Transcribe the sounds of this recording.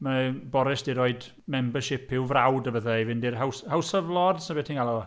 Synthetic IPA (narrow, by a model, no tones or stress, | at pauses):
mabɔɾɪsd̥ɪɾoɨd | mɛmbəʃɪpʰɪwvrawdəvəðajvɪndɪrɦawshawsəvlˠɔdsnəbɛtʰinŋɡalˠɔɔ